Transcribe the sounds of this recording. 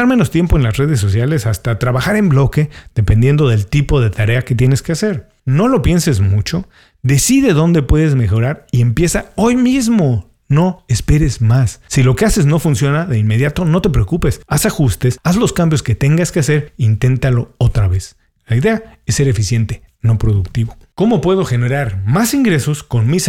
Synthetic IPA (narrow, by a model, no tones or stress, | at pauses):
aɾmeno̞st̪je̞mpo̞enlasre̞ð̞es̬ːo̞sjale̞sast̪at̪ɾaβaxaɾe̞mblo̞ke̞ð̥e̞pe̞nd̪je̞nd̪o̞ðe̞lt̪ipo̞ð̞e̞t̪aɾe̞ake̞t̪je̞ne̞ske̞ase̞ɾ | no̞lo̞pje̞nse̞zmut͡ʃo̞ | ðe̞siðe̞ðo̞nd̪e̞pwe̞ðe̞zme̞xo̞ɾaɾie̞mpje̞sao̞jmizmo̞ | no̞espe̞ɾe̞zmasːilo̞kease̞zno̞funsjo̞naðeinme̞ðjat̪o̞no̞t̪e̞pɾeokupe̞sasaxust̪e̞sazlo̞skambjo̞ske̞t̪e̞ŋɡaske̞ase̞ɾiint̪e̞nt̪alo̞ot̪ɾaβe̞s | laiðe̞aesːe̞ɾe̞fisje̞nt̪e̞no̞pɾo̞ðukt̪iβo̞ko̞mo̞pwe̞ð̞o̞xe̞ne̞ɾaɾmasiŋɡɾe̞so̞sko̞nmis